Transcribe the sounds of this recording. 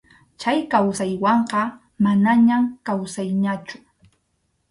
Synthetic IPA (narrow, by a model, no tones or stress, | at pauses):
t͡ʃajkawsajwɑɴqɑ | manaɲamkawsajɲat͡ʃʊ̥